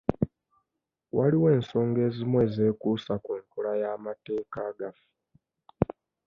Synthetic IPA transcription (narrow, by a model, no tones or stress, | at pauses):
wʔaliwe̞ːnso̞ːŋɡe̞ːzimwe̞ːze̞ːkuːsakuŋkulajaːmate̞ːkaːɡafu̥